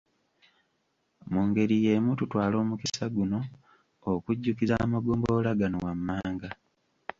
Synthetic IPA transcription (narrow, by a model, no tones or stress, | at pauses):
muːŋɡe̞ɾije̞mututwaːlo̞ːmukisaɡuno̞ | okuɟːukizamaɡoːmbo̞laɡanowamːaːŋɡa